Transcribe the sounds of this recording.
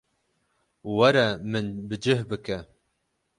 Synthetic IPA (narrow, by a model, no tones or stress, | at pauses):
wɐɾɐmɨnbɨd͡ʒɨhbɨkɛ